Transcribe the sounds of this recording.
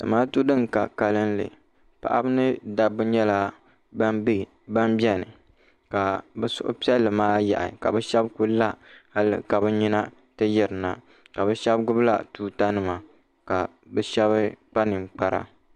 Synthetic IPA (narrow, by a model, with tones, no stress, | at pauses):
dɨ̰˨maː˦tu˦dɨ˦ŋ˨ka̰˨ka˨lɨ˦n˦lɨ̰˨ | pa̰˨ʔa˦bɨ˦nɨ˦da˨bɨ˦ɲɛ˦la˦ | ba˦mbɛ˦nɨ˨ | ka˨bɛ˦sʊ̰˦ʔʊ̰˦pi˦ɛ˦lːɨ˨maː˦ja̰˨ʔa̰˨ka̰˨bɛ˦ʃɛ˦bku˦la˦ha˦lɨ̰˦ka˨bɨ˦ɲi˦na˦ | tɨ˦jɛ˨ɾɨ˨na˨ | ka˨bɛ˦ʃɛ˦bɡʊ˦bla̰˦tuː˦ta˦nɨ˦ma˨ | ka˨ | bɛ˦ʃɛ˦βɨ˦k͡pa˦nɨ˨ŋ͡mk͡pa˦ɾa̰˨